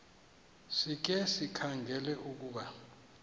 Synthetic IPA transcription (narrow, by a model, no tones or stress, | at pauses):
sik̬ɛsikʰaŋʱɛlɛʔuk̬uːɓa